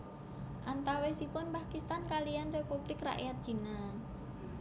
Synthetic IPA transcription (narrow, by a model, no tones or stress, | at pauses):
ʔant̪awesipʊnpakist̪ankalijanrepub̥lɪkra̰ʔjat̪̚d͡ʒ̥i̤na